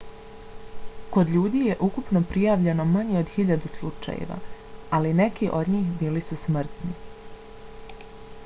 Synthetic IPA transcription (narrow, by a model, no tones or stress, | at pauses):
ko̞d̪ʎuːd̪iːje̞ʔukupno̞pɾijaːʋʎe̞no̞maɲeod̪xiʎad̪uslˠut͡ʃa̰jḛʋa̰ | aline̞kiʔo̞d̪ɲiːxbiːlisusmr̩t̪ni